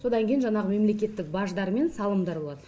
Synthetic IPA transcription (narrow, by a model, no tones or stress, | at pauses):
so̞d̪ɑŋkʲʰejnʒɑnɑʁəme̞mle̞kʲe̞t̪ːɪk̚bɑʒd̪ɑɾme̞nsɑlˠəmd̪ɑɾbolˠɑd̪ə